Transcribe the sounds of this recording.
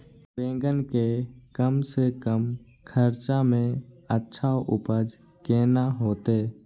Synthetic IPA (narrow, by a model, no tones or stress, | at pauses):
bẽːŋɡənkekəmsekəm | kʰəɾt͡ʃamẽ | ətːʃʰaoʔʊpəd͡ʒ | keːnaɦoːt̪eː